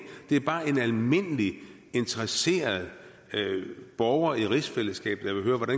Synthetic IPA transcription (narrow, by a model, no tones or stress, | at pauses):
d̥e̝æɐb̥ɑ̈ːe̝nælme̝n̰əli | e̝nt͡sʰɐʁɐse̝̰ːɐð̞̩ˠ | b̥ɒʊɐiʁisfel̰əsɡ̥ɛ̰ːb̥ð̩jɑʋe̝ɦøːɐʋɒɾæn